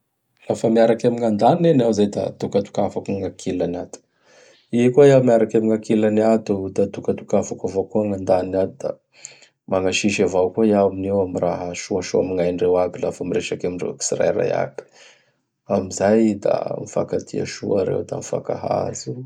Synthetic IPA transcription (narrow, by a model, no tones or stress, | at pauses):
lafəmiaɾakamiŋand̪anienawzajd̪a̰t̪ukat̪u̥kafakuŋakʰilanat̪u̥ | ikuajawmiaɾakamiŋakilaniat̪ud̪at̪ukat̪ukafakavakuəŋand̪aninat̪ud̪a̰ | maŋaʃiʃavawkuaiaaminewamiraɦəʃuaʃuamiŋajɳrewabila̰fəmireʃakamiɳrḛksra̰jɾa̰ja̰bi̥ | amizajd̪a̰mifa̰kat̪ʰia̰ʃuaɾḛwd̪a̰mifa̰ka̰ɦa̰zu